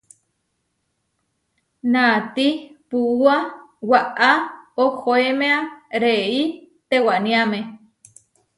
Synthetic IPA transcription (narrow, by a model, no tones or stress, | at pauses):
nat̪ipuuawaʔaoxoemeaɾei | t̪ewanĩame